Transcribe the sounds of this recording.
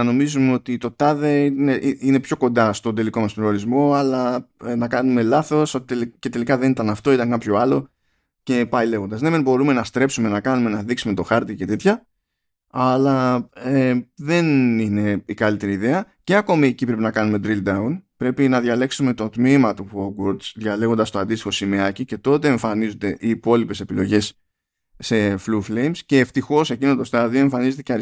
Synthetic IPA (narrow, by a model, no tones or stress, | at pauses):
ɐno̞mizumeo̞t̪it̪o̞t̪ɐðeineʔiine̞pço̞ko̞nd̪ɐst̪o̞nd̪e̞liko̞mɐspɾeoɾizmo̞ɐlɐnɐkɐnume̞lɐθo̞so̞t̪i̥t̪elce̞t̪e̞likɐðe̞nit̪ɐnɐft̪o̞it̪ɐŋkɐpço̞ɐlo̞ | ce̞pɐile̞ɣo̞nd̪ɐznemenbo̞ɾume̞nɐst̪ɾe̞psume̞nɐkɐnumenɐðiksume̞t̪o̞xɐɾt̪ice̞t̪e̞t̪çɐ | ɐlɐeðe̞nine̞ikɐlit̪e̞ɾiːðe̞ɐ | ce̞ɐko̞miecipɾe̞pinɐkɐnume̞d̪ɾild̪ɐunpɾe̞pinɐðʝɐle̞ksume̞t̪o̞t̪mimɐt̪upuoɡwoɾd̪sðʝɐle̞ɣod̪ɐst̪o̞ɐnd̪ist̪ixo̞simeɐcice̞t̪o̞t̪e̞ːɱfɐnizond̪e̞ʔiːpo̞lipe̞se̞pilo̞ʝe̞s | se̞fluflejmsce̞ːft̪ixo̞se̞cino̞t̪o̞st̪ɐðio̞eɱfɐnize̞t̪eceɾi